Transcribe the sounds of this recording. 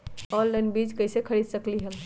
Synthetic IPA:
ɔlːanbid͡ʒkəjsekʰəɾid̪səkliɦəl

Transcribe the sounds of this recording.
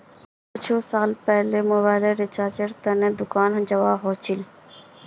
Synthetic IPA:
kʊt͡ʃʰosaːlpɛɦlemoβaːɪleɾit͡ʃaːt͡ʃəɾt̪ɐnẽd̪ʊkaːnɦd͡ʒɐʋaːɦoːt͡ʃʰɪl

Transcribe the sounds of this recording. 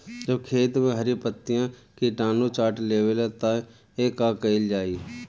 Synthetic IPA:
d͡ʒəbkʰeːt̪mẽɦəɾipət̪ːɪjãkiʈaːnut͡ʃaːʈleːwelat̪ã | eːkaːkəɪld͡ʒaːiː

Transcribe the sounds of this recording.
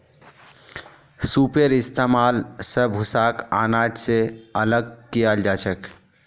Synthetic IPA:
supeɾist̪emalsəbʱusaka̰naʈseələɡ̚kijald͡ʒat͡ʃʰək

